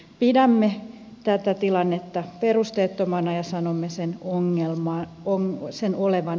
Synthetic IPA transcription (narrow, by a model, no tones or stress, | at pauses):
pidæmːe | t̪æt̪æt̪ilɑnːet̪ːɑperust̪eːt̪ːomɑnɑjɑsɑnomːesenoŋːelmɑː | oŋsenoleʋɑn